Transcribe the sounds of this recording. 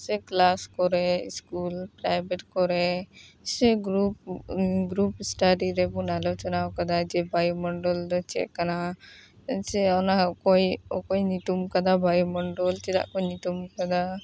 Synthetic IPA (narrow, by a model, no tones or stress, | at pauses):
sɛklaskɔɾɛskulpɾajbɛʈkɔɾɛsɛɡɾupɡɾupsʈaɾiɾɛbɔnalɔwt͡ʃɔnawkad̪ad͡ʒɛbajumɔɳɖɔld̪ɔt͡ʃɛ̰ʔkana | ansɛawnakɔjɔkɔjnit̪umkad̪abajumɔɳɖɔlt͡ʃɛɾa̰ʔkɔnit̪umkad̪a